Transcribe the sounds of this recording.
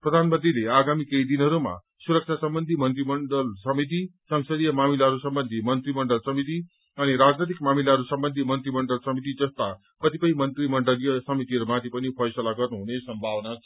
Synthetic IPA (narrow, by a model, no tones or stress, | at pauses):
prʌd̪ʱanmʌnt̪rileaɡamikʌid̪inɦʌɾuma̰ | suɾʌk̚t͡sʰasʌmbʌnd̪ʱimʌnt̪rimʌɳɖʌlsʌmit̪̬isʌŋsʌd̪ijʌmamilaɦʌɾusʌmbʌnd̪ʱimʌnt̪rimʌɳɖʌlsʌmit̪̬i | ʌniɾad͡znet̪̬ikmamilaɦʌɾusʌmbʌnd̪ʱimʌnt̪rimʌɳɖʌlsʌmit̪̬id͡zʌst̪a | kʌt̪ipʌimʌnt̪rimʌɳɖʌljʌsʌmit̪iɦʌɾumat̪ʰipʌnipʰʌjsʌlaɡʌrnuɦunesʌmbʱawʌnat͡sʰʌ